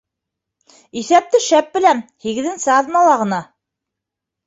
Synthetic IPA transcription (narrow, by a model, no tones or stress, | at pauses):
iθæp̚t̪ɘʃæp̚bɘ̆lænhiɣɘ̆ðɘ̆nsɘɑðnɑlˠɑʁɤ̆nɑ